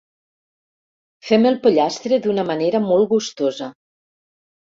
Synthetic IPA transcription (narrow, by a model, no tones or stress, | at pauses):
fɛmelˠpoʎast̪ɾeðunəməneɾəmolˠɣust̪ozə